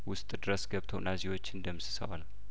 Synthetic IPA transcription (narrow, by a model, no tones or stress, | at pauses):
wʊst̪ʼd̪ɨɾəsɡəβt̪ʰəwnːazewo̞t͡ʃːɨnd̪əmɨsɨ̥sə̰wa̰nəw